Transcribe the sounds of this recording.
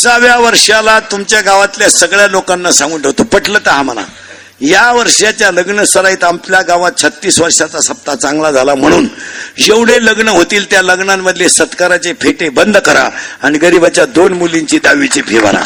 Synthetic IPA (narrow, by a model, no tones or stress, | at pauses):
t͡saʋjaʋəɾʂalat̪umt͡ɕjaɡaʋat̪ljasəɡɭjalokanːasãŋɡuːnʈ̪ot̪opəʈlət̪əɦaməla̰ | jaʋəɾʂjat͡ɕjaləɡɳəsəɾait̪ampljaɡaʋat̪̚t͡ɕʰət̪ːiːsʋəɾʂat͡sasəp̚t̪at͡sãŋɡlad͡zʱalam̤əɽ̃uːnjeʋɽ̤eləɡɳəɦot̪iːlt̪jaləɡɳamːəd̪ʱlesət̪kaɾat͡sepʰeʈebənd̪ʱkəɾa̰aniɡəɾibat͡ɕjad̪onmuliɲt͡ɕiːd̪aʋit͡sepʰeʋa̰ɾa̰